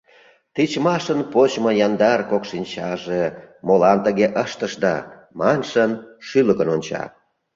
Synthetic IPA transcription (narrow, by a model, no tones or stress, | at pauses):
t̪it͡ɕmɑʃənpot͡ɕmojɑnd̪ɑrkokʃinʲt͡ɕɑʒemolɑnt̪əɣeʔəʃt̪əʃd̪ɑ̰ | mɑnʃənʃyləkənonʲt͡ɕɑ̰